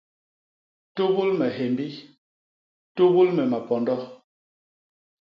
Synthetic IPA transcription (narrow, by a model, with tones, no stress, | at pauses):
to˦bu˦lmɛ˨ɦe˨mbi˦ | to˦bu˦lmɛ˨ma˨pɔ˨ndɔ˦